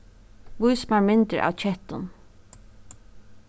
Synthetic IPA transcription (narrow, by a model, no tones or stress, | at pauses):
ʋʊjsmaɹmɪnt̪ə̰ʔa̰ːwt͡ʃʰɛht̪ʊn